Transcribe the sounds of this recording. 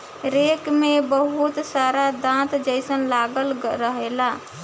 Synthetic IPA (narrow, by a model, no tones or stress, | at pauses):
ɾekmebəɦut̪saɾad̪ãt̪d͡ʒəɪsənlaɡəlɾəɦela